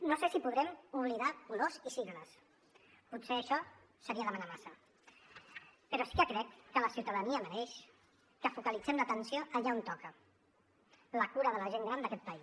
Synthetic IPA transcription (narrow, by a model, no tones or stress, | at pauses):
nosesipuðɾɛmuβ̞liðakulozisiɣləs | putseəʃɔ | səɾiəðəmənamasə | pəɾɔsi̥kəkɾɛkːələsiwt̪əðəniəːməneʃ | kəfukəlid͡zɛmlət̪ənsijoʔəʎaont̪ɔkə | ləkuɾəðələʒeŋɡɾand̪əkɛt̪̚pəi